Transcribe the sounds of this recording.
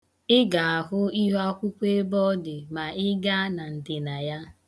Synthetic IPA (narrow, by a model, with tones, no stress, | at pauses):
ɪ˦ɡa˨a˨ɦʊ˦i˦ɦa˦kʷu˦kʷe˦bɔ˦dɪ˨ma˨ɪ˦ɡa˦na˨n̩˨tɪ˨na˨ja˦